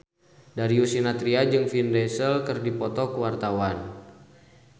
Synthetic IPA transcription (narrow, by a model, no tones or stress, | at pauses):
daɾiusinat̪ɾiad͡ʒɨŋfindɛsəlkɨrdipɔt̪ɔkəwart̪awan